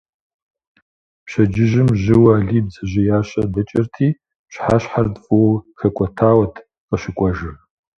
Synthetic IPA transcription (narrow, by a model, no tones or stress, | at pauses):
pɕɐd͡ʒɪʒɪmʒɪwaːɮiːbzɐʑɪjaːɕʼɐbɐt͡ʃʼɐrtʰiː | pɕħaːɕħardfʼɨwɐxɐkʷʼɔtʰaːwɐtʰ | qʼɐʃɪkʷʼɔʒɨ